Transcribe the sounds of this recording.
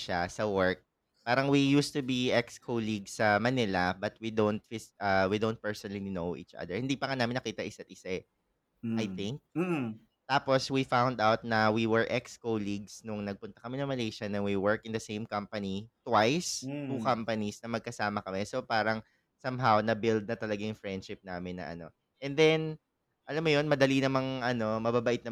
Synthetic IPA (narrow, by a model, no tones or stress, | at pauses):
ʃasɐwɛɹk̚ | paːɾɐŋwijuːst̪ubiʔɛkskʰoliɡsːɐmɐnɪlɐbɐt̪̚wid̪ont̪̚fɪsʔawid̪ownt̪̚pɛɹsɔnɐllinowʔḭːt͡ʃɐ̰d̪ɛɹhɪnd̪iːpɐŋanaːmɪnːɐkiːt̪ɐʔɪsɐt̪̚ʔɪsɛ | ʔajt̪ɪ̃ŋk̚ | t̪aːposwifãwnd̪awt̪̚nɐwiwɛɹʔɛkskoliɡsnʊŋnɐɡ̚pʊnt̪ɐ̥kɐmɪnɐ̃ŋmɐlejʃɐnɐnwiwɛɹkɪnd̪ɐsẽjmkɐmpɐnit̪wajst̪ukampɐnisnɐmɐɡ̚kɐsaːmɐkɐmɛsopaːɾɐŋ | sɐmɦawnɐbɪld̪̚nɐt̪ɐlɐɡajʊŋfɹɛnd̪ʃɪp̚naːmɪnːɐ̰ʔɐ̰no̞̰ | ʔɛnd̪ɛn | ʔɐlamːojonmɐd̪ɐlinɐmɐŋʔɐno̞mɐbabɐʔɪt̪nɐ